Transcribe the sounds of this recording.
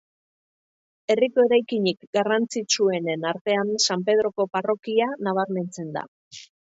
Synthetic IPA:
e̞riko̞e̞ɾajkiɲikɡarant͡sit͡ʃue̞ne̞naɾt̪e̞ansampe̞ð̞ɾo̞ko̞paro̞kianaβ̞aɾme̞nt͡se̞nd̪a̰

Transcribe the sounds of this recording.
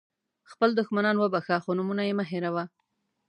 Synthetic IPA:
xpəld̪ʊxmanɑnwəbaxaxonumunajemaɦɪɾawa

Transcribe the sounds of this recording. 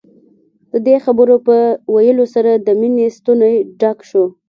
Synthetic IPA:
d̪əd̪exabəɾopəwajəlosaɾad̪əminest̪unajɖakʃo

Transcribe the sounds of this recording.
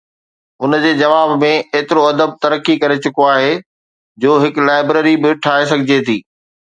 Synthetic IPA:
ʊnd͡ʑeːd͡ʑɐʋaːbmẽeːt̪ɪɾoɐd̪əb̚t̪ɐɾəkːikɐɾet͡ɕʊkoaːɦeː | d͡ʑoːɦɪklaːɪbɾeːɾibɪʈʰaːɦesɐɡʱɪd͡ʑet̪ʰiː

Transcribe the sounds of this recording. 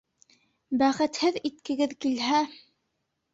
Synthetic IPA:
bæχɘ̆t̪hɘðit̪̚kɘ̆ɡɘðkilɦæ

